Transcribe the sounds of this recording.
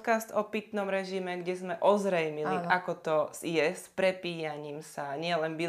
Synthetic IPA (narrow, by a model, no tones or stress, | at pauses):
kast̪ɔpit̪nɔmɾɛʒimɛɡɟɛzmɛʔɔzɾɛjmiliakɔt̪ɔzjɛspɾɛpiːjaɲiːmsaɲɪɛlɛnbi